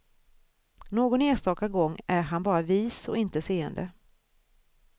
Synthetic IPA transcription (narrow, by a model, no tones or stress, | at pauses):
noːɡɔneːst̪ɑːkaɡɔŋːæɾɦanbɑːɾaviːsɔ̰ɪnt̪əseːənd̪ə̰